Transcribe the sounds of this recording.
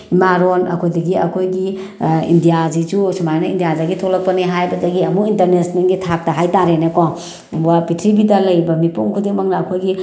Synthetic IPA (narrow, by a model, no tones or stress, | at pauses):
imaɾonɐ̰kʰojdɐɡiɐkʰojɡi | ḭndijazid͡ʒusumajnaḭndijazaɡitʰoklɐk̚pɐneɦajbɐdɐɡiɐmuintɐɾnesniŋɡitʰak̚tɐɦajtaɾenekɔ | wapitʰɾibidɐlɐjbɐmipuŋkʰudiŋmɐŋnɐːkʰojɡi